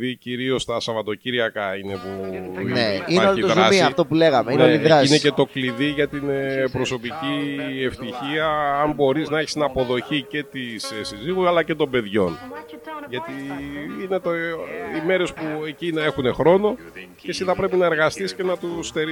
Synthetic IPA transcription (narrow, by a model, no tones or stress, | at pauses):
ðiciɾio̞st̪ɐsɐvɐt̪o̞ciɾiʝɐkɐine̞puneinoit̪oɾɐsiɐft̪opuleɣɐmeinoiðɾsinece̞t̪o̞kliðiʝɐt̪inpɾo̞so̞picieft̪içiɐɐmbo̞ɾiznɐeçist̪inɐpo̞ðo̞çice̞t̪isesiziɣuɐlɐce̞t̪o̞mbe̞ðʝo̞n | ʝɐt̪iine̞t̪oime̞ɾe̞spue̞cinɐe̞xune̞xɾo̞no̞ | cesiðɐpɾe̞pinɐe̞ɾɣɐst̪isce̞nɐt̪ust̪e̞ɾi